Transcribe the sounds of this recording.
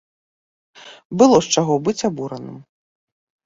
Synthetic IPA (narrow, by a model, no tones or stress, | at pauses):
bɨlˠɔst͡ʂaɣɔbɨt͡sʲabuɾɐnɨ̰m